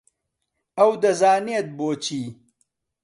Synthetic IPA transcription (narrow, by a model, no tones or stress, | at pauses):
ɐwd̪ɐzaːneːt̪̚boːt͡ʃiː